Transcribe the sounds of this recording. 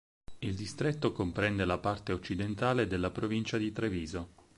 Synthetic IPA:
ild̪ist̪ɾet̪ːokompɾɛnd̪elapart̪eot͡ʃːid̪ent̪aːled̪elːapɾovint͡ʃad̪it̪ɾeviːzo

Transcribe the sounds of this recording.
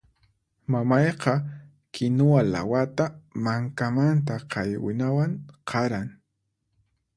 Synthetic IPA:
mamɑjqɑ | kʰɪnʊwala̰wat̪amaŋkamant̪̬aqʰɑjwɪ̰nawaŋqʰɑɾaŋ

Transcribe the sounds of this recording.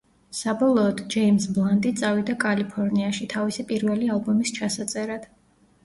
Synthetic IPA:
sabɔlˠɔːd̪d͡ʒɛimsblˠant̪ʼit̪sʼavid̪akʼalipʰɔɾniaʃit̪ʰavisipʼiɾvɛlialˠbɔmist͡ʃʰasat̪sʼɛɾad̪̥

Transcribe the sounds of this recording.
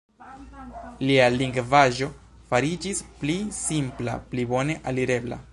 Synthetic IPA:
lialiŋɡvaʒo̞ | faɾid͡ʒisplisimpla̰plibo̞ne̞ʔaliɾe̞bla̰

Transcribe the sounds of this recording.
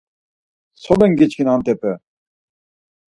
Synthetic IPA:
sɔd̪ɛŋɡit͡ʃkʰinant̪ɛpɛ

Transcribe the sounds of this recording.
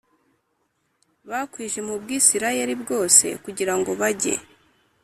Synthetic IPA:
βakwiːʒe̞mubɡiːsiɾajeɾibɡo̞ːse̞̰kuɟiɾaŋɡo̞βaɟe̞̰

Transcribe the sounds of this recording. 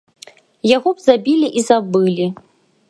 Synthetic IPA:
jaɣɔbzabʲilʲiʔizabɨlʲi

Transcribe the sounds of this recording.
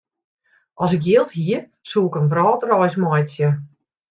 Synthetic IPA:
ʔɔs̬ɪk̚jɪːlˠthiə | suːɪkənʋrɔːtrɔjsmɔjtsjə

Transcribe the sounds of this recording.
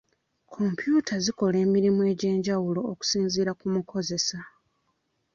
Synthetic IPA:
kʰo̞mpjuːtʰaziko̞le̞ːmiɾimue̞ːɟe̞ːɲɟawulo̞ːku̥siːnziːɾakumukʰo̞ze̞sa

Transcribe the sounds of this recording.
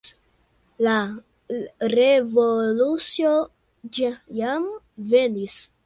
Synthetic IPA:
la | ɾevolut͡sio | d͡ʒjam | venis

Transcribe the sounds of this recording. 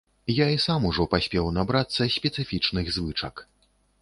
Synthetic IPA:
jaisamuʐɔpasʲpʲɛwnabɾat̪sːɐsʲpʲɛt̪sɨfʲit͡ʂnɨɣzvɨt͡ʂɐk

